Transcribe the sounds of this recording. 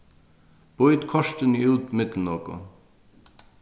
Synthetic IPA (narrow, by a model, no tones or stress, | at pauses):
b̥ɔʏt̪kʰɔʃt̪əniʉːt̪mɪt̪l̩nɔko̰